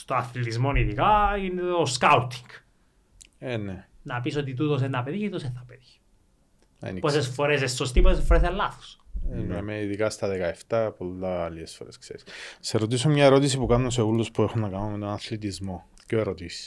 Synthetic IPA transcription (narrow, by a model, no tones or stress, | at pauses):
st̪oɐθlit̪izmoniðikɐineoskɐut̪i̥ŋɡ | enenɐpisot̪it̪ut̪os̬enɐpeðiçt̪osenθɐpeðiç̥ | ḛniposesfo̞ɾes̬esːost̪ipossesfoɾes̬elːɐθo̥senemeiðikɐst̪ɐðekɐeft̪ɐpolɐliesfoɾeskse̞̰ɾisseɾot̪isomɲɐe̞ɾo̞t̪is̬ipukɐnunos̬evulːospuexonːɐkɐnomet̪onɐθlit̪izmo̞ | coeɾot̪isi̥s